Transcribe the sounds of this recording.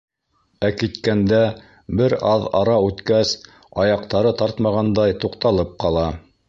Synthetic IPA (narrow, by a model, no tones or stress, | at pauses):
ækit̪kænd̪æ | bɘɾɑðɑɾɑʉt̪kæs | ɑjɑq̚t̪ɑɾɤt̪ɑɾt̪mɑʁɑnd̪ɑjt̪uqt̪ɑlˠɤp̚qɑlˠɑ